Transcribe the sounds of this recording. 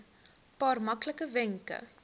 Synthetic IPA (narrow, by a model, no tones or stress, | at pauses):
pɑːrmɐkləkəvɛŋkə̰